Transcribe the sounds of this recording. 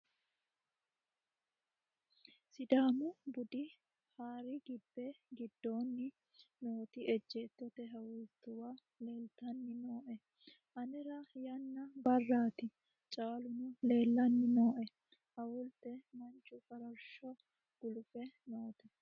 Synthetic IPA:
sɪd̪aːmʊbʊd̪ɪ | haːɾɪɡɪbːɛɡɪd̪ːo̞ːnːɪ | no̞ːt̪ɪɛd͡ʒːeːt̪ːɔt̪ɛɦɐwʊt̪ːʊwa | le̞ːlt̪ɐnːɪno̞ːʔɛ | ʔɐnɛɾɐjɐnːɐbɐrːaːt̪ɪ | t͡ʃʼaːlʊmʊle̞ːlːɐnːɪnoːʔɛ | hɐwʊlt̪ɛmɐnt͡ʃʼʊfɐɾɐɾʃɔ | ɡ̥ʊlʊfɛnoːt̪ɛ

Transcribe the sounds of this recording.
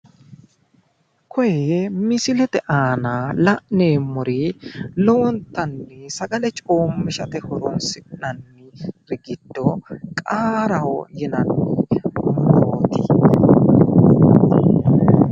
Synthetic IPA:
kʰɔjɛmɪsɪlɛt̪ɛʔaːnalɐʔneːmɔɾilɔwɔnt̪ːɐnːɛsɐɡɐlɛt͡ʃʼo̞ːmːɪʃɐt̪ɛhɔɾɔnsɪʔnɐnːɪɾɪɡɪd̪̥ːɔkʼaːɾɐwɔ̰jɪnɐnːɪmoːt̪ɪ̰

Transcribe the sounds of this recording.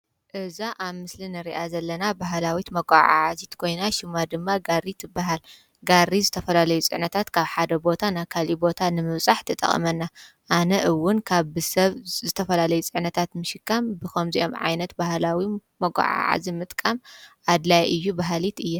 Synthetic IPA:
ʔɨzaʔaβmɨslinɨɾiʔazɐlːɐnabaɦlawit̪mɐɡʷʼaʕa̰ʕazit̪kʰo̞jnaʃɪmad̪ɨmːaɡarit̪ʰɨbaɦal | ɡaɾːizɨt̪ʰɐfɐlalɐjut͡sʼɨ̰ʕnɐt̪ʰat̪kʰaβħad̪ɐbo̞t̪ʰanakʰalibo̞t̪ʰanɨmɨβt͡sʼaħt̪ʰɨt̪ʼɐ̰χʼɐ̰mɐnːa | ʔanɐʔɨwːʊnkʰaβɨsɐβzɨt̪ʰɐfɐlalɐjut͡sʼɨʕnɐt̪ʰat̪mɨʃɪkʰːambɨxɐmziʔo̞mʕa̰jnɐt̪bahlawimɐɡʷʼa̰ʕa̰ʕa̰zimɨt̪ʼkʼamʔad̪lajʔɨjːubaɦalit̪ɨjːa

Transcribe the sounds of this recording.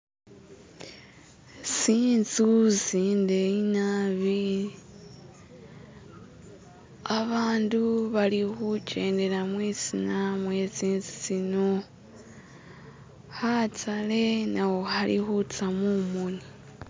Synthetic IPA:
siːnzuziːnde̞inaβi | aβaːnduβalixuce̞ːnde̞ɾamwisinamweziːnzizino | hat͡salenawohalḭxut͡samumuni

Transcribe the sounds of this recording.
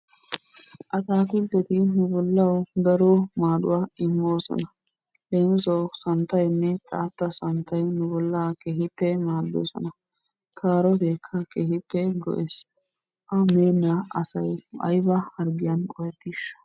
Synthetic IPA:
ʔɐt̪aːkɪlt̪ːɛt̪ɪnʊbɔlːɐwd̪ɐɾomaːᶑʊ̰waːɪmːo̞ːsɔ̰nɐ | leːnsɔsɐnt̪ːɐjnːɛt̪ʼa̰ːt̪ːɐsɐnt̪ɐjnʊbɔlːɐkeɦɪpːɛmaːd̪ːo̰ːsɔ̰nɐ | kʰaːɾɔbeːkʰːɐkehɪpːɛɡɔ̰ʔeːs | ʔɐmeːnːaɐsɐjʔɐ̰jbɐhɐɾɡɪjɐnkʼɔjɛt̪ːiʃɐ̥

